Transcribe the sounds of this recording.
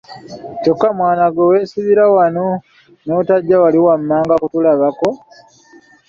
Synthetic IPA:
co̞kːamwaːnaɡwoweːsiβiɾawano | notaɟːawaliwamːaːŋɡakutulaβako̞

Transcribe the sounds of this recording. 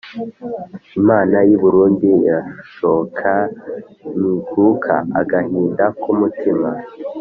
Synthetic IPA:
imaːnajuβuɾuːndiɾaʃokʰa | niɡukʰa̰a̰ɡahiːndakumutʰima

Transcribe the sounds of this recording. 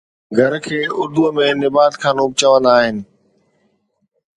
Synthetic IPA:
ɡʱɐɾkʰeːʊɾd̪umẽnɪbaːt̪kʰãːnuːp̚t͡ɕəʋə̃nd̪aːɦɪnɪ̆

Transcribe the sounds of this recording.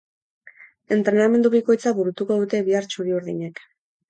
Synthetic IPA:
e̞nt̪ɾe̞name̞nd̪uβ̞iko̞jt͡saβuɾut̪ukoðut̪e̞βiaɾt͡ʃuɾiuɾðiɲe̞k

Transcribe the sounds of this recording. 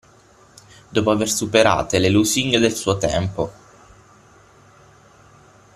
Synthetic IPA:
d̪ɔːpoaversupeɾa̰ːt̪eleluziŋɡed̪elsuːot̪ɛ̰mpo

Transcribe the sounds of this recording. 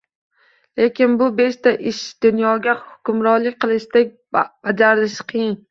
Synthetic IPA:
le̞kʲɪnbʊbe̞ʃt̪aʔɪʃd̪̥ʊnjɒɡʲahʊ̥kʲʊmɾɒɾlɪk̚ʲqʰɨlˠɪʃd̪ek̚ʲ | b̥ad͡ʒaɾɪlɪʃɪ̥qʰɨjɪn

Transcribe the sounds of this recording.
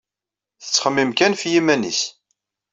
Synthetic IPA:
θə̥t͡sːχəmːimkænfjimænḭs

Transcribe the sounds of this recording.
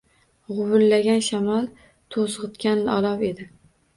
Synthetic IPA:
ʁʊwʊlːaɡʲanʃamɑlˠ | t̪ʰosʁɨt̪kʲanlɪɒlˠɒwe̞d̪ɪ

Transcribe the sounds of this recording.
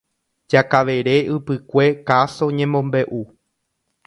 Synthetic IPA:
d͡ʒakaʋe̞ɾe̞ʔɨpɨkʷe̞kaso̞ɲẽmõ̞mbe̞ʔu

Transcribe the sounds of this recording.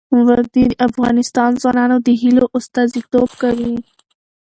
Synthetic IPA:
wɐɾd̪iɐfɣɑːnɪst̪ɑːnzwɑːnɑːnod̪iɦiloʔʊst̪ɑːzit̪oːbkawi

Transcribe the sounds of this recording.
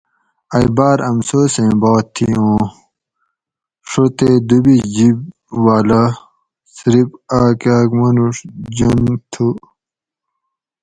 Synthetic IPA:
ɐjbaːɾɐmsoːsẽbaːt̪ʰːiõː | ʂot̪ed̪ubid͡ʑib | waːla | sɾipaːkaːkmɐnuʂd͡ʑunt̪ʰu

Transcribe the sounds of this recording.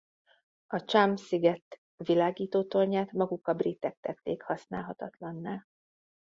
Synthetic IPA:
ɒt͡ʃamsiɡɛt̪ː | ʋilaːɡiːt̪oːt̪o̞rɲaːt̪mɒɡukːɒbrit̪ːɛk̚t̪ɛt̪ːeːkhɒsna̰ːlɦɒt̪ɒt̪lɒnːaːl

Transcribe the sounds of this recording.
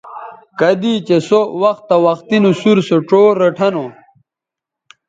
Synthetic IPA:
kɐd̪it͡ɕesowɐxt̪ːɐwɐxt̪inusuɾsoʈ͡ʂoɾɐʈʰɐno

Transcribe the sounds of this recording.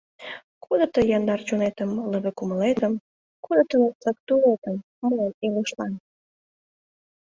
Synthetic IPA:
kʰod̪ət̪əjɑnd̪ɑrt͡ɕonet̪əmləβekuməlet̪əm | kod̪ət̪ənəək̚t̪ulet̪əmːəeniluʃlɑn

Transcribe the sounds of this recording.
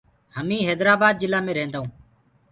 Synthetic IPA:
həmĩːɦɛːd̪ɾaːbaːd̪̚d͡ʒɪlaːmẽːɾẽːnd̪aːɦũː

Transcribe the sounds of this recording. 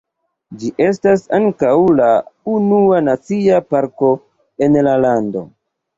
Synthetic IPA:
d͡ʒiʔe̞stasaŋkawlaunuanat͡siapaɾko̞ | e̞nlalando̞̰

